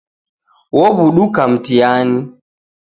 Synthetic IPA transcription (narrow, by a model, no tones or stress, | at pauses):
wɔbuɗukam̩tijani